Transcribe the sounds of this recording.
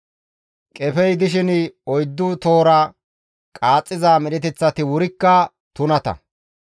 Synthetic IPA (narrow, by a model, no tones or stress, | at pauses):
kʼɛfɛjd̪ɪʃ̬ɪnɪɔjd̪ːʊt̪o̞ːɾɐ | kʼaːt͡sʼːɪzaːmɛɗɛt̪ɛt͡sːɐt̪ɪwʊɾɪkːɐ | t̪ʊnɐt̪ɐ̰